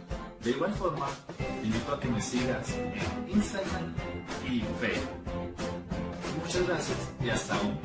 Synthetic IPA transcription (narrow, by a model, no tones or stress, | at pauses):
d̪eiɣwalfoɾmaimit̪oakemesiɣaseninst̪aɣɾamifejɾo | mut͡ʃazɣɾasjasiast̪aum